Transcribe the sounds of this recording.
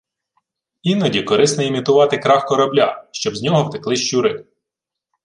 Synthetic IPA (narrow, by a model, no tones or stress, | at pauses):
inɔdʲikɔɾɪsnɔimʲit̪ʊʋɑt̪ɪkɾɑxkɔɾɐblʲaʃt͡ʃɔbzʲnʲɔɦɔwt̪ɪ̥klˠɪʃt͡ʃuɾɪ